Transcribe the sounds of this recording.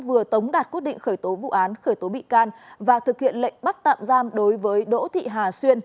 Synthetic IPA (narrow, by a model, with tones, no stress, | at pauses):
vɨ˨˩ət̪ə˨˦wŋ͡mɗaː˨˩t̚ki˦˥ət̚ɗḭ˧˨ŋ̟xəː˧˩jt̪o˨˦vṵ˧˨ʔaː˨˦nxəː˧˩jt̪o˨˦ɓḭ˧˨kaː˧nvaː˨˩t̪ɨ˨˩k̚hḭ˧˨ənlə̰˧˨jŋ̟ɓa˦˥t̚t̪a̰ː˧˨mzaː˧mɗo˨˦jvəː˨˦jɗo̰˧˥t̪ʰḭ˧˨ɦaː˨˩swi˧ən